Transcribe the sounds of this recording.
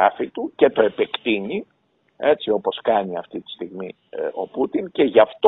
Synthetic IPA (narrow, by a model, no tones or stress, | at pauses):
ɐfit̪uce̞t̪o̞e̞pe̞kt̪iɲi | e̞t͡sio̞po̞skɐɲiɐft̪it̪i̥st̪iɣmi | o̞put̪iŋce̞ʝɐft̪o